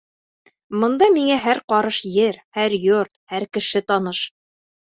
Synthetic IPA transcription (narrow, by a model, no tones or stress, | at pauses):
mɤ̆nd̪ɑmiŋæɦæɾqɒɾɤʃjɘɾhæɾjoɾt̪̚hæɾkɘ̆ʃɘt̪ɒnɤʃ